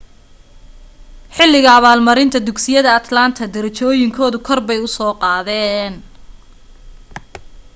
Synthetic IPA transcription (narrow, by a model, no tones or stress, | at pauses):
ħɪlːɪɣɐːβaːlmɐɾɪnt̪ʰɐd̪ʊɡsɪjɐðɐɐt̪lant̪ʰɐd̪ɐɾɐt͡ʃɔːjɪŋkʰɔːðʊkʰɔrbɛjʊsɔːqɑːðɛːn